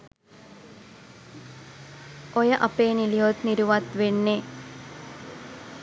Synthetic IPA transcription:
ojɐʔɐpeːnilijoːt̪niɾuʋɐt̪ʋeɳːe

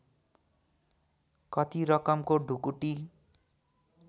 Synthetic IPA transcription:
kʌt̪iɾʌkʌmkoɖʱukuʈi

